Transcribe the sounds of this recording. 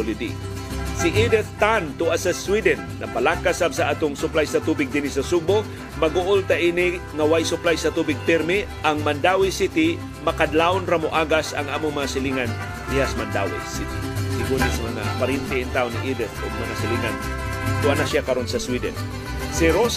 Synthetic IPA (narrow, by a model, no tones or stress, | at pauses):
lid̪ḭ | siʔid̪ɛθt̪ant̪ʊʔasɐswid̪ɛnːɐpɐlakasabsaʔat̪oŋsʊplajsɐt̪uːbɪɡ̚d̪ɪnisɐsubo | mɐɡoʔʊlt̪aʔiːnɪ | ŋɐwajsʊplajsɐt̪uːbɪɡ̚pɪɾmɪ | ʔaŋmɐnd̪awijsit̪ɪ | mɐkad̪laʊnɾamoʔaːɡasɐ̰ŋʔaːmʊŋmɐŋasɪliŋan | ʔɪjasmand̪a̰wḭjsit̪sɪɡunɛsmɐŋa̰paɾint̪ɪːnt̪aonɪ̰ʔid̪ɛθoɡ̚mɐŋasɪliŋan | t̪ʊʔanaʃjakɐɾonsɐswid̪ɛ̰n | sɪɾos